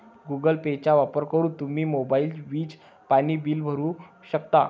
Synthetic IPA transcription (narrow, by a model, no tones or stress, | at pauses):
ɡuɡəlpet͡ɕaʋapəɾkəɾuːt̪um̤iːmobaiːlʋiːd͡z | paniːbiːlbʱəɾuː | ɕək̚t̪a